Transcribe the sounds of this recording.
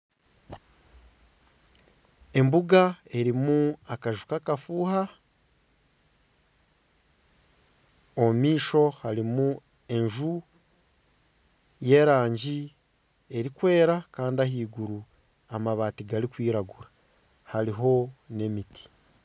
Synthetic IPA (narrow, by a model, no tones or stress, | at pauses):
e̞mbuɡae̞ɾimuakaʒukakafuːha | omiːʃo̞haɾimu | e̞ɲʒu | je̞ːɾaːɲɟi | eɾikwe̞ːɾakaːndiaɦiːɡuɾu | amaβaːtiɡaɾikwiːɾaɡuɾa | haɾiɦo̞ne̞mitʰi̥